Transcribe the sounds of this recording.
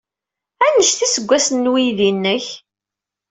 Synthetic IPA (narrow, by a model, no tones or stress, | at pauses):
ænəʃθisəɡʷːæsnːwiðinːəç